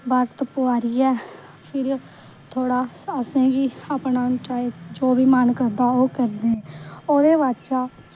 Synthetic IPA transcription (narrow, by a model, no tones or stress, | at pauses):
bəɾt̪pʊaːɾiːɛː | pʰɪɾ | t̪ʰoːɽaː | əsẽːɡiːaːpnaːnʈaːikd͡ʒoːbiːmənkəɾd̪aːoːkəɾd̪eːɛ̃ːoːd̪eːʋaːt͡ʃaː